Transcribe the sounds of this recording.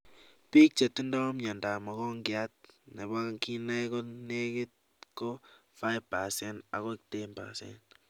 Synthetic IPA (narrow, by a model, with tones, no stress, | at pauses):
piː˦k̚t͡ʃe˨tːu˦ndɔ˦mɲɔ˨nda˨mɔ˨ɣɔ˦ŋɡɪat̚ne˨ba˦ki˦nɛ˦kɔ˦ne˦kɪt̚ | ko˦fa˦ɪpa˨sɛnda̰˨ɣɔ˦i˦k̚te˦npa̰˨sɛ̰n